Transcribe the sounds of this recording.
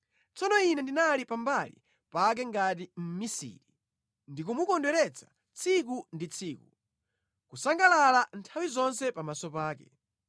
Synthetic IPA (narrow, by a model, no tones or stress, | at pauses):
t͡sɔnɔinɛndinalipambalḭ | pak̬ɛŋɡatim̩misḭːɾi | ndikumukɔndwɛɾɛt͡sʰḁ | t͡sʰik̬undit͡sʰiːku | kusaŋɡalalantʰawizɔnsɛpamasɔpaːkɛ